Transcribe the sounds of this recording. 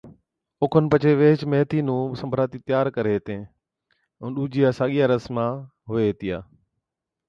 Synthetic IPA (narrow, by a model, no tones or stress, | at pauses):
ʊkʰənɪ̆pɐt͡ɕʰeʋeːɪt͡ʃmeɦt̪iːnũːsɐ̃mbʱɾaːt̪it̪jaːɾkɐɾet̪ẽː | ʊ̃nɗuːd͡ʑijaːsaːɠijaɾəsmã | ɦʊeɦet̪ijaː